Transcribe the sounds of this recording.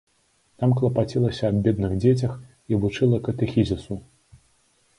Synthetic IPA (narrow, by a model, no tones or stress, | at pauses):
t̪amklˠɐpat͡sʲilˠɐsʲɐːbbʲɛd̪nɨɣd͡zʲet͡sʲɐx | ivut͡ʂɨlˠɐkɐt̪ɛxʲizʲisu